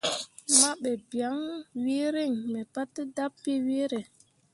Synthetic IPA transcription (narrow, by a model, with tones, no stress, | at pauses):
ma˦ɓe˨bja˨˦ŋwi˦ɾi˦˨ŋmɛ˨pa˦tda˦pːi˦wi˦ɾe˨